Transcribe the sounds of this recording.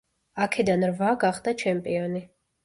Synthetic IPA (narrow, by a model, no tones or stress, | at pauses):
akʰɛd̪anɾvaɡaχd̪at͡ʃʰɛmpʼiɔni